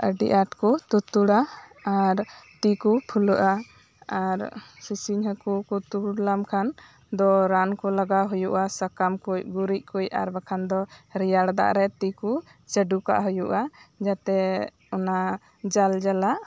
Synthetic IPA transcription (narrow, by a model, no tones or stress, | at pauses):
əɖḭʔaʈkɔt̪ut̪uɽaː | ɾt̪ikupʰuləʔa | aɾsisiɲɦəkukut̪uɽlamkʰan | d̪ɔɾankɔlaɡaɦujuʔasakamkujɡuɾic̚ˀkuja̰ɾbakʰand̪ɔɾijaɽd̪a̰ʔɾɛt̪iku | t͡ʃəɖuka̰ʔɦɔjuʔad͡ʒat̪ɛ | ɔna | d͡ʒald͡ʒalaʔ